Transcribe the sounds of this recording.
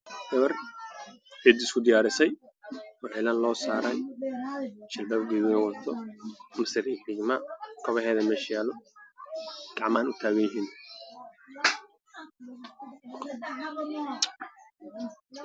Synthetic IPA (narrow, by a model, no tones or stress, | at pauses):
dɐβɐr | bɛːd̪ɪskʰʊd̪ɪjaːɾɪsɛjɔʕɪlaːnlɔːsaːɾɛj | t͡ʃɪlbɐbɡiɣɪnɐwɐt̪ʰɔmɐsɪɾiɪɡmɐkʰɔβɛhɛːðɐmɛʃjaːlɔ | ɡ̥ɑʕmɐɐnʊt̪ʰaːɣɐjɪɦiːn